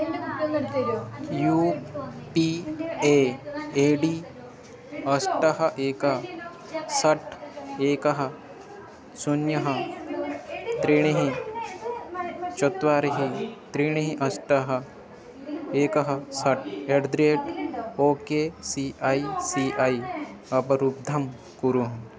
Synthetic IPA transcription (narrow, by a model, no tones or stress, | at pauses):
juːpieeːɖiː | ɐsʈɐɦɐʔeːkɐɦ | sɐʈʰeːkɐɦɐ | sunjɐɦɐ | t̪ɾiːɽ̃iɦĩ | t͡ʃɔt̪ʋaːɾiɦit̪ɾiːɽ̃iɦĩʔɐsʈɐɦɐ | eːkɐɦɐsɐʈʰeɖd̪ɾeːʈoːkeːsiʔaːisiːʔaiɐpɐɾup̚d̪ʱɐm | kuɾuɦɐ̃